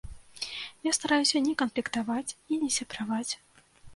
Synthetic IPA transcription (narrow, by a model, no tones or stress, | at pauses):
jast̪aɾajusʲɐnʲɛkɐnplʲikt̪avat͡sʲinʲɛsʲɛpɾavat͡sʲ